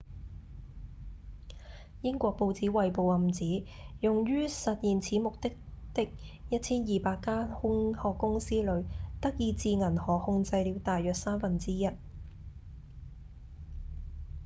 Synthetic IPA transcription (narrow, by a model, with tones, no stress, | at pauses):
jɪ˥ŋkʷɔː˧k̚po˧wt͡siː˨˥wɐ˨jpo˨wɐ˨˩mt͡siː˨˥ | jʊ˨ŋɥyː˥sɐ˨t̚jiː˨nt͡sʰiː˨˥mʊ˨k̚t̪ɪ˥k̚t̪ɪ˥k̚ | jɐ˥t̚t͡sʰiː˥njiː˨˩paː˧kːaː˥hʊ˥ŋhɔː˨kːʊ˥ŋsiː˥lɵ˨˧ɥt̪ɐ˥k̚jiː˨˧t͡siː˧ŋɐ˨˩nhɔː˨˩k̚hʊ˧ŋt͡sɐ˧jliː˨˧wt̪aː˨jːœː˨k̚saː˥mfɐ˨nt͡siː˥jɐ˥t̚